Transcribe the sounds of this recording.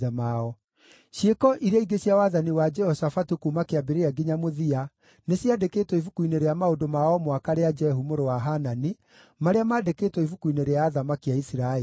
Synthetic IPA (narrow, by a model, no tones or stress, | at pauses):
ɛmaɔ | ɕekɔʔiɾeaiɡeɕjawaðaniwad͡ʒɛhɔsafatukumakeabeɾeaɡiɲamoðia | nesjadekeːtwɔifukuineɾeamaondomaɔmwakaɾead͡ʒɛɦumoɾowaɦanani | maɾeamaːdekeːtwɔivukuineɾeaːðamakiaisiɾae